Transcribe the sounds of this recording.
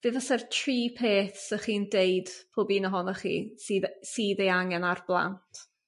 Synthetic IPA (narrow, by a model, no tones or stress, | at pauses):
v̥eːðəsɛrtʰriːpʰeːθsəχiːndejd̥pʰoːbiːnəɦɔnɔχḭːsisiːðejaŋɛnarblˠa̰ntʰ